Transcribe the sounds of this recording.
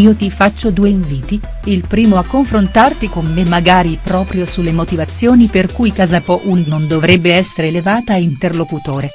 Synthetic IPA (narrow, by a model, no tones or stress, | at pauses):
iːot̪ifat͡ʃːod̪uːeiɱviːt̪i | ilpɾiːmoakːoɱfɾont̪art̪ikomːemːaɡaːɾipɾɔːpɾjosulːemot̪ivat̪sːjoːniperkujkazapɔʔunnond̪ovɾɛbːeɛsːeɾeːlevaːt̪aint̪erlokut̪oːɾe